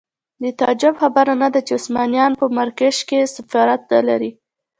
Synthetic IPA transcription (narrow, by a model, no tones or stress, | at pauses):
d̪ət̪ɑd͡ʒabxabaɾanad̪at͡ʃeʊsmɑnijɑnpəmaɾkaʃkesɪfɑɾat̪̚ːala̰ɾi